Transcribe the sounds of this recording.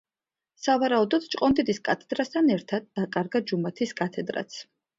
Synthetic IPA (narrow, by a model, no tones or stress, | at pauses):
savaɾaud̪ɔd̪̥t͡ʃʼqʼɔnd̪id̪iskʼat̪ʰɛd̪ɾast̪ʰanɛɾt̪ʰad̪̚ːakʼaɾɡad͡ʒumat̪ʰiskʼat̪ʰɛd̪ɾa̰t̪sʰ